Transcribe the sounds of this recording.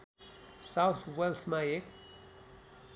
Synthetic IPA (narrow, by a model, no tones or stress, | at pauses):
sawt̪ʰʋelsmãeːk